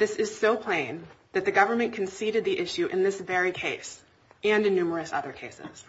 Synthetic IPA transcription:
ðɪsɨz̥soʊpʰl̥ẽɪ̃nðɨt̪̚ðɨɡʌvə˞mɨ̃nkʰɨ̃n̩siɾɨd̪̚ðiʔɪʃʉʔɨ̰̃nðɪsvɛɹikʰeɪs | ɨ̃nɨ̃nːʉmə˞ɨsʌ̰ðə˞kʰeɪsɪ̰z̥

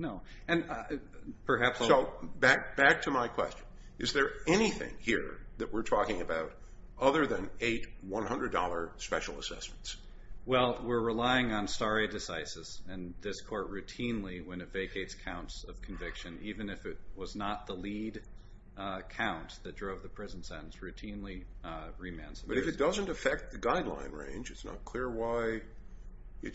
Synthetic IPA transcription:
noʊ | ɨ̃n | pʰə˞ɦæpsoʊbæk̚b̥æk̚tʰɨmaɪkʰw̥ɛ̰st͡ʃɨ̃n | ɨzðə˞ɛniθɪ̰̃ŋhiɹðɨʔ̚wɪɹtʰɔkɪ̃ŋɨbaʊɾ | ʌðə˞ðɨ̃neɪt̚wʌ̃nɦʌ̃ndɹɨdɔlˠə˞spɛʃl̩ˠə̰sɛ̰smn̩ts | wɛlˠwɪɹɹɪlaɪɪ̃ŋə̃nstɑɹeɪdɨsaɪsɨz̥ɨ̃nðɪskʰɔɹtɹʉtʰĩnliwɨ̃nɨtv̥eɪkʰeɪtskʰãʊ̃ntsʌv̥kʰɨ̃ɱvɪkʃɨ̃nivɨ̃nɨfɨt̚wʌznət̪̚ðəlid | kʰãʊ̃nðɨt̚d̥ɹoʊvðɨpʰɹ̥ɪzn̩sɛ̃ɾn̩sɹʉtʰĩnliɹimæ̰̃nsə̥pʌɾɨfɨd̥ʌzɨ̃ntɨfɛk̚t̪̚ðɨɡaɪdˡlã̰ɪ̃nɹḛ̃ɪ̃nd͡ʒɨtsnə̰t̚kʰl̥ɪɹwaɪ | ɨt

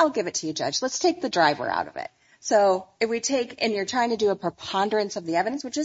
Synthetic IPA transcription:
aɪlˠɡɪvɨtʰɨjɨd͡ʒʌ̰d͡ʒlətstʰeɪk̚ðɨdɹaɪvə̰˞a̰ʊɾʌ̰vɪ̰t̚ | soʊɨfwitʰeɪkɨ̰̃njə˞tʰɹ̥aɪɪ̃ŋtʰɨdɨːpʰɹ̥əpʰɑ̃ndə˞ɨ̃nsʌvðiɛvɨɾ̃nswɨt͡ʃɨ

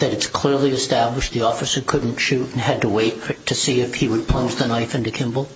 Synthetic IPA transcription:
ðɨɾɨtskʰl̥ɪɹlˠiɨstæbləʃt̪ðiɔfɨsə˞kʰʊdⁿn̩tʃʉɾn̩ɨd̚təweɪttʰɨsiɨfhiwəd̚pʰl̥ʌ̃nd͡ʒðənaɪfɪ̃ntʉkʰɪ̃mbl̩ˠ

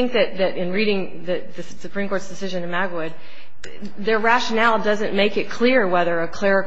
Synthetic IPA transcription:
ɪ̃ŋk̚ðɨt̪̚ðɨɾɨ̃nɹiɾɪ̃ŋ | ðɨ | ðɨssɨpʰɹ̥ĩmkʰɔɹtsd̥ɨsɪʒɨ̃nɨ̃nmæɡwʊd̪̚ | ðə˞ɹæʃɨnælˠdʌzɨ̃nmeɪkɨt̚kʰl̥ɪɹwɛðə˞ɨkʰl̥ɛɹɨk

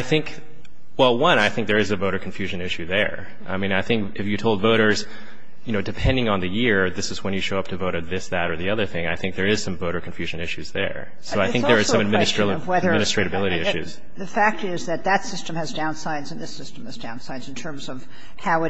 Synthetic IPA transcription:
aɪθɪ̃ŋk | wɛlˠwʌ̃naɪθɪ̃ŋk̚ðə˞ɨzɨvoʊɾə˞kʰɱfjʉʒɨ̃nɪʃʉðə̰˞ | ʔa̰ɪmĩnaɪθɪ̃ŋkɨfjɨtʰoʊlˠdvoʊɾə˞z̥ | jɨnoʊdɨpʰɛ̃ndɪ̃ŋə̃nðɨjɪɹðɪsɨzwə̃njɨʃoʊʌp̚tʰɨvoʊɾə˞ðɪsðɨɾə˞ðiʌðə˞θɪ̃ŋaɪθɪ̃ŋk̚ðə˞ɪz̥sʌ̃ɱvoʊɾə˞kʰɱ̩fjʉʒɨ̃nɪʃʉzðə̰˞ | soʊaɪθɪ̃ŋk̚ðə˞ːsʌ̃mɨd̚mɪ̃nɨstɹwɛðəmɪnɨstɹ̥eɪɾɨbɪlˠɨɾiɪʃʉ̰z̥ | ðɨfæk̚tɪzðɨt̪̚ðɨtsɪstə̃mɨzdãʊ̃nsaɪdzɨ̃nðɪsɪstm̩ɨzdãʊ̃nsaɪdz̃n̩tʰɜ̃˞mzʌv̥ | haʊɨ

